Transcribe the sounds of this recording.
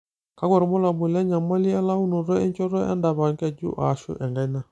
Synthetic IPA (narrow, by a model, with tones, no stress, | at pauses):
ka˨˦kwɔ˦˨ɾmɔ˦la˨mu˨lɛ˦ɲa˨ma˦li˦ɛ˦la˦u˦nɔ˨ɾɔ˦ɛ˦ɲt͡ʃɔ˦ɾɔ˦ɛ̰˦nda˨βa˨ŋkɛ˦˨d͡ʒṵ˦ʔa̰˨ʃṵ˦ʔɛ˨ŋɡa˦i˦na˦˨